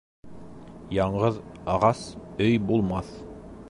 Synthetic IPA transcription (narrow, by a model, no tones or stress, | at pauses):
jɑɴɢɤðɑʁɑsɵjbulˠmɑθ